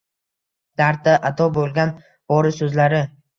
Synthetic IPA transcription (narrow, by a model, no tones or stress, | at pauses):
d̪̥aɾt̪aʔat̪ʰɒbolˠɡʲan | bɒɾɪsɵzlaɾɪ